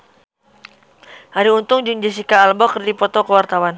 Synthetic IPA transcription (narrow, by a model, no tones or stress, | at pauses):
haɾiunt̪ʊŋd͡ʒuŋd͡ʒis̬ikaːlbɔkərd̪ipɔt̪ɔkəwart̪awan